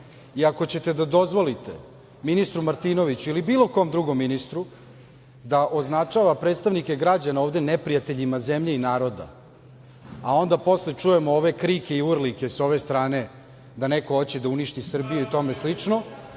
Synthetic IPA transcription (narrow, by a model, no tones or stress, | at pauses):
iako̞t͡ɕe̞t̪e̞d̪ad̪o̞zʋo̞lit̪e̞ | minist̪ɾumaɾt̪ino̞ʋit͡ɕuilibiːlˠo̞ko̞md̪ɾuɡo̞mːinist̪ɾu | d̪aʔo̞znat͡ʂaʋapɾed̪st̪aʋnike̞ɡɾad͡ʑanaoːvd̪e̞nepɾijat̪e̞ʎimazemʎe̞inaːɾo̞d̪a̰ | ao̞nd̪apo̞slet͡ʂujemooʋe̞kɾike̞iurlike̞so̞ʋe̞st̪ɾaːne̞ | d̪anekoot͡ɕe̞d̪auniʃt̪isr̩bijuit̪o̞me̞slit͡ʂno̞